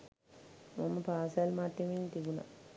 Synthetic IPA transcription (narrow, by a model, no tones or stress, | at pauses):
maməpaːsalmaʈ̪ːemint̪ibuna̰